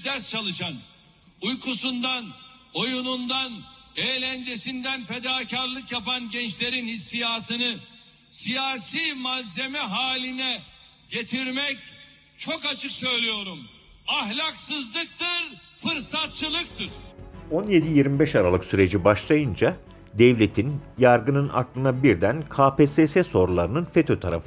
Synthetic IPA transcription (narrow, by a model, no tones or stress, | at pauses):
d̪æɾst͡ʃʰalˠɯʃan | ujkʰusund̪an | o̞junund̪aneːlʲænd͡ʒe̞sind̪ænfe̞d̪aːcʰaɾlˠɯkjapanɟɛnt͡ʃlʲe̞ɾinisːijaːt̪ʰɯnɯ | sijaːsiːmazːe̞mɛɦaːlʲinɛ | ɟe̞t̪ʰiɾmɛc | t͡ʃʰo̞kat͡ʃʰɯksø̞jlʲijo̞ɾum | aɦlʲaksɯzlˠɯk̚t̪ɯɾ | fɯɾsat̪̚t͡ʃʰɯlˠɯk̚t̪ʰɯɾo̞nje̞d̪ijiɾmibɛʃaɾalˠɯksyɾe̞d͡ʒibaʃlˠajɯnd͡ʒa | d̪ɛvlʲe̞t̪ʰinjaɾɡɯnɯna̰klˠɯnabiɾd̪ænkʰaːpesesɛso̞ɾlˠaɾɯnɯnfet̪ʰo̞t̪ʰaɾa̰fɯ